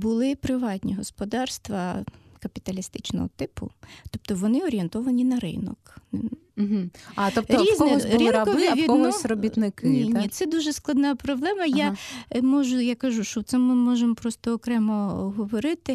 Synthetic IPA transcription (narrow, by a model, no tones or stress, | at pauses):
bʊlˠɪpɾɪʋɑt̪ʲnʲiɦɔspɔd̪ɑrst̪ʋɐkɐpʲit̪ɐlʲist̪ɪt͡ʃnɔ̰ɦɔ̰t̪ɪpʊ̰t̪ɔp̚t̪ɔʋɔnɪɔɾʲient̪ɔʋɐnʲinɐɾɪ̰nɔ̰kn̩ | ɦ̩ɐt̪ɔp̚tɾʲizɔɛsɾɪɐɔʋʋʲidɔɔsʲɾɔbʲit̪nɪkɪninʲit̪sɛd̪uʒɛsklˠɐd̪nɑpɾɔblˠɛmɐjjamɔʒʊjakɐʒuʃt͡ʃɔwt̪sɛmmɪmɔʒempɾɔst̪ɔːkɾɛmɔɦɔʋɔɾɪt̪ɪ